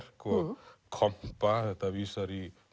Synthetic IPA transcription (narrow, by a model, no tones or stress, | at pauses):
ɾkokʰʌmpːat̪ʌbisʌɾi